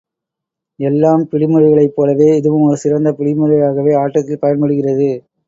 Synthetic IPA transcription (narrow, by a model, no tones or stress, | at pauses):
ɛlːaːmpɪɽɪmɯɾɐɪɣɐɭɐɪpːoːlɐʋeːɪðɯʋɯmɔɾɯsɪrɐnd̪ɐpɪɽɪmɯɾɐjaːɣɐʋeːaːʈːɐt̪ːɪlpɐjɐnpɐɽɯɣɪrɐðɯ